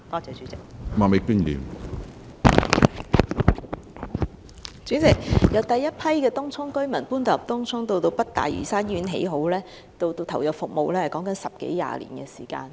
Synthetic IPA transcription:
t̪ɔː˥t͡sɛː˨˧t͡ʃyː˨˥t͡sɪ˨k̚ma˨me˨˧kyː˥nlḭː˨˩m | t͡ʃyː˨˥t͡sɪ˨k̚jɐ˨˧wt̪ɐ˨jːɐ˥t̚pʰɐ˥jkɛː˧t̪ʊ˥ŋt͡sʰʊ˥ŋkɵ˥ɥmɐ˨˩npuː˥nt̪ɐ˨p̚t̪ʊ˥ŋt͡sʰʊ˥ŋt̪o˧wt̪o˧wpɐ˥t̚t̪a̰ː˨jɥy̰ː˨˩saː˥nɥyː˨˥nɦḛ˨˥jɦo˨˥wlɛː˥ | t̪o˧wt̪o˧wt̪ʰɐ˨˩wjɐ˨˩fʊ˨k̚mo˨wlɛː˥hɐ˨jkɔː˨˥ŋkɐ˨˥nsɐ˨p̚kḛ˨˥jja̰ː˨lḭː˨˩nkɛː˧siː˨˩ka̰ː˧n

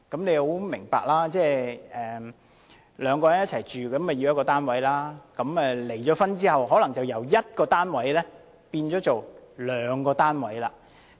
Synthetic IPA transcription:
kɐ˨˥mne˨˧jho˨˥wmɪ˨˩ŋpa̰ː˨k̚laː˥t͡sɛː˥˩ɛː˨ | lœː˨˧ŋkɔː˧jɐ˨˥njɐ˥t̚t͡sʰɐ˨˩jt͡ʃyː˨˩kɐ˨˥mɛ˨˩ji˧jɐ˥kɔː˧t̪aː˥nwɐ˨˥jlaː˥kɐ˨˦˥mɛ˨le˨˩jt͡ʃɔː˨˥fɐ˥nt͡siː˥hɐ˨wɦɔː˨˥lɐ˨˩ŋt͡sɐ˨wjɐ˨˩wjɐ˥t̚kɔː˧t̪aː˥nwɐ˨˥jlɛː˥ | piː˧nt͡ʃɔː˨˥t͡so˨wlœː˨˧˥ŋkɔː˧t̪aː˥nwɐ˨˥jlaː˧

